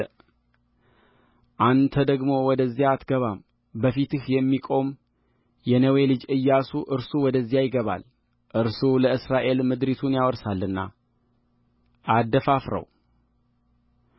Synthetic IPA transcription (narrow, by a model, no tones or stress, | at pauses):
ʔant̪ʰəd̪əɡmo̞wɔd̪əzːijaːt̪ɡəβam | bəfit̪ɨhjɛmːikʼo̞m | jɛnəwe̞lɨd͡ʒɨjːasuʔɨɾsuwɔd̪əzːjajɪɡəβa̰l | ʔɨɾsuləɨsɾaʔe̞lmɨd̪ɾit̪ʰunjawɔɾsalːɨnːa̰ | ʔad̪ːəfafɾə̰w